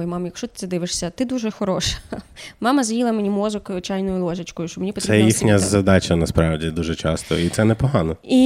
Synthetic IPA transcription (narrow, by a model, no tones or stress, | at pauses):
jmɑmjɐkʃt͡ʃɔt̪ɪ̥sɛd̪ɪʋɪʃsʲɐt̪ɪd̪uʒɛxɔɾɔʃɐ̥mɑmɐzɐjilˠɐmenʲimɔzɔkt͡ʃajnɔjʊlˠɔʒɐt͡ʃkɔjʊʃt͡ʃɔmenʲipɔt̪ɾɛbjixnʲɐzɐd̪ɑt͡ʃɐnɐspɾɑʋdʲid̪uʒɛt͡ʃɑst̪ɔ̰it̪sɛnɛpɔɦɑnɔi